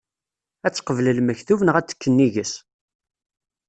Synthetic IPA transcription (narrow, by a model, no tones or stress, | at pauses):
æt͡sːqəvləlməçθuvənʁæt͡sːə̥kːənːiʝəs